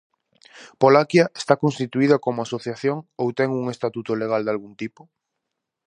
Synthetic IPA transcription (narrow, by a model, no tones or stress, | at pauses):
polakjae̥st̪akonst̪it̪uið̞ɐkomoasoθjaθjoŋowt̪ɛŋuŋest̪at̪ut̪oleɣ̞ald̪alɣunt̪ipo